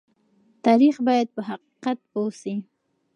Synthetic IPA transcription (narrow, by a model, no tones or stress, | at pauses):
t̪ɑɾixbɑjad̪̚pəɦaqi̥qat̪̚posi